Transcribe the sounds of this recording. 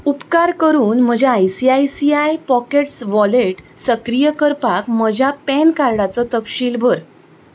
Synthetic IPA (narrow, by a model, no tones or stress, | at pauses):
upkaɾkəɾuːnm̤əd͡ʑʱjaːjsiajsiajpɔkeʈsʋɔleʈsəkɾijəkəɾpakməd͡ʑʱjapɛnkaɾɽat͡sɔt̪əpɕiːlbʱəɾ